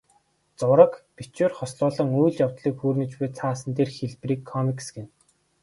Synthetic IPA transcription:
t͡sʊɾə̆kpit͡ɕweːrχɔsɮʊːɮə̆ŋujɮjawt̪ɮiːkxuːrnɘ̆t͡ɕpuːt͡sʰaːsə̆nt̪eːrxeɮpriːkʰːɔmiksɡen

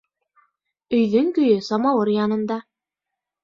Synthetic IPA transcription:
ɵ̆jðɵŋkɵ̆jɵsɑmɑwɤɾjɑnɤ̆nd̪ɑ

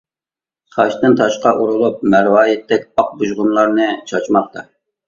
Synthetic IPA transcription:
χɑʃt̪ɨnt̪ʰɑʃqɑʔuɾulˠup̚mæɾwɑːjɪt̪ːɛkʲɑq̚buʒʁʊnlˠɑɾnɨt͡ʃʰɑt͡ʃmɑq̚t̪ɑ

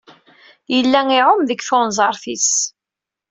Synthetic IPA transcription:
jəlːæŋɪʕʊmðəɡθonzˤɑɾˤθis

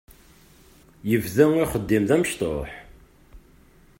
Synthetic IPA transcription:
jəvðæŋiχəd̪ːɪmðæməʃt̪ˤo̰ħ

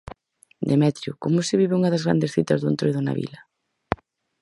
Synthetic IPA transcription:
d̪emɛt̪ɾjʊkomʊsɪβ̞iβɪuŋɐðɐzɣɾa̰nd̪esθit̪ɐzðʊent̪ɾojðʊna̰βḭlɐ

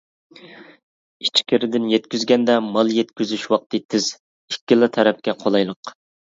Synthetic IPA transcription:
it͡ʃʰkʲɪɾɪd̪ɪnjɛt̪̚kʲyzɡʲɛnd̪ɛmɑlˠjɛt̪kʲyzyʃwɑq̚t̪ɨt̪ʰɪz̥ | ikʲːɪlˠɨt̪ʰɛɾɛp̚kʲɛqʰolˠɑjlˠəq

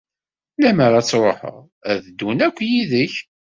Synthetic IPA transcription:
læməɾˤæt͡sːɾˤoħə̰ʁ | æðd̪ːunækʷːjiðəç

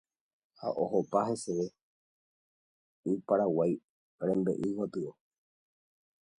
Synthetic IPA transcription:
ha̰ʔoɦopaɦe̞seʋe | ɨpaɾawaj | ɾẽmbḛʔiwapɨo

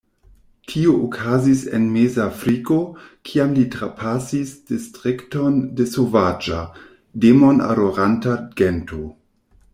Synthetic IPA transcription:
tʰioʔokʰazisḛnmezafɾikokʰiamlitɾapʰasisd̥istʁiktondesovad͡ʒa | demona̰ɾoɾantaɡento

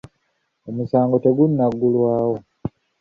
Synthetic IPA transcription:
omusaːŋɡo̞te̞ɡunːaɡːulwaːwo̞

